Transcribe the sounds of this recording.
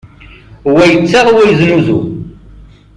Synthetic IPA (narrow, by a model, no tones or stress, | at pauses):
wæjət͡sːaʁwæjznuzṵ